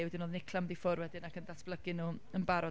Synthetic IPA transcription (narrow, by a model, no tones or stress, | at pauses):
wɛdinoːðnɪkʰlˠamdifɔrwɛdɪnakʰəndasb̥lˠəɡɪnuənbaɾɔ